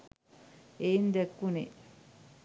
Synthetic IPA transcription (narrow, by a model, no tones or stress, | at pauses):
eind̪ekːunḛ